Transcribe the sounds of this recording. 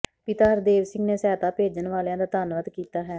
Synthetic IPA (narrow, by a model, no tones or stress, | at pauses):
pɪt̪aːəɾd̪eːʋsɪ̃ŋɡneːsɛːt̪aːpeːd͡ʒənʋaːljãːd̪aːt̪aːnʋət̪kiːt̪aːɦɛː